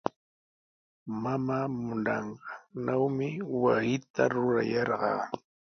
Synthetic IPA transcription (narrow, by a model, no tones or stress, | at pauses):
mamaːmʊnɑɴɢɑnawmɪwasɪt̪aɾʊɾa̰jɑɾɢɑ̰ː